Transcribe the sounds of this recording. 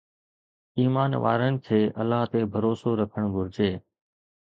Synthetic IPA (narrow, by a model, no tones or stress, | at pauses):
iːmaːnʋa̰ːɾənɪ̆kʰeːʔəlːaːɦt̪eːbʱəɾoːsoːɾəkʰəɳ̃ɡʱʊɾd͡ʒeː